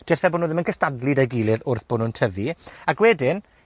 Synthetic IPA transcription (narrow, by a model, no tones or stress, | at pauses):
d̥ɛrθɛboːnuːðəmənkʰəstadlˠɨdaɡilˠɨðʊrθb̥ʊnʊntʰəviaɡwɛdɪn